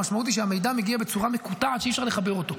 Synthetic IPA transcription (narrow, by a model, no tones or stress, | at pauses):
aʃmaut̪iʃeame̞jd̪ame̞ɡiabe̞t͡suʁamekut̪aʕat̪ʃeifʃaʁleχabeʁo̞to̞